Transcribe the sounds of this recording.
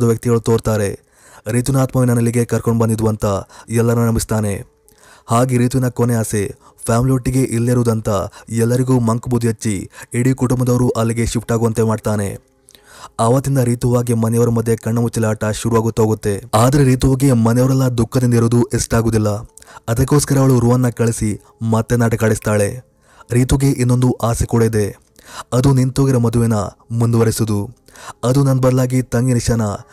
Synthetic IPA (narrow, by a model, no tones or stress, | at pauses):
d̪ɐʋjɐk̚t̪iɡɐɭut̪o̞ːɾt̪aːɾe̞ | ɾiːt̪inaːt̪mɐʋinɐnɐliɡe̞kɐɾkoɳɖbɐnd̪id̪uʋɐnt̪ɐɛlːɐnuɐnɐmist̪aːne̞ | haːɡiɾiːt̪ʋinɐkoneaːse̞ | pʰjaːmliʋoʈːiɡe̞ʔilːiɾuːd̪ɐnt̪ɐɛlːɐɾiɡuːmɐŋkbud̪jɐt͡ʃːiiɽikuʈumbɐd̪ɐʋɐɾuʔɐlːiɡe̞ʃipʈaːɡuʋɐnt̪emaːɖt̪aːne̞ | aːʋɐt̪ːind̪ɐɾiːt̪uʋaːɡimɐnɛjɐʋɐɾɐmɐd̪ʱːje̞kɐɳːɐmut͡ʃːilaːʈɐʃuɾuʋaːɡut̪ːɦoːɡut̪ːe̞aːd̪ɐɾeɾiːt̪uʋɐɡe̞mɐnɛjɐʋɾɐlːɐd̪ukʰːɐd̪ind̪iɾoːd̪uʔesʈaːɡuːd̪ilːɐ | ɐd̪ɐkːo̞ːskɐɾɐʋɐɭuɾuʋɐnːɐkɐɭisi | mɐt̪ːenaːʈɐkaːɽist̪aːɭe̞ | ɾiːt̪uɡe̞ʔinːo̞nd̪uʔaːsikoɭed̪e̞ | ɐd̪unint̪o̞ːɡiɾɐmɐd̪uʋenɐmund̪uʋɐɾisud̪u | ɐd̪unɐnbɐd̪ɐlaːɡit̪ɐŋɡiniʃaːnɐ